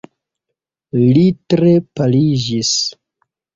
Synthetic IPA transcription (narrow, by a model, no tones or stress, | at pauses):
litɾepalid͡ʒis